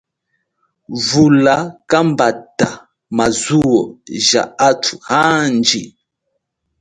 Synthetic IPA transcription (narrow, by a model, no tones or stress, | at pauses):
vulakambata | mazuwɔʒaatʰu̥hand͡ʒi